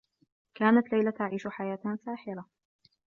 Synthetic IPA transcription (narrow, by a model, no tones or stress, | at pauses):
kaːnat̪lajlat̪aʕiːʃʊħajaːt̪asaːħɪla